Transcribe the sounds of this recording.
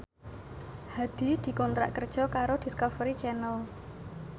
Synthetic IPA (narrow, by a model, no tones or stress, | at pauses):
had̪̥i̤d̪̥i̤kɔnt̪ɾa̰ʔkərd̥ʒ̥ɔ̤kaɾod̪̥i̤skɔfɾit͡ʃɛnəl